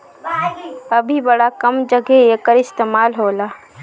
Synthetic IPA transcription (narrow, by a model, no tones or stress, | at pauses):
əbʱibəɽakəmd͡ʒəɡeeːkəɾɪst̪eːmaːlɦoːlaː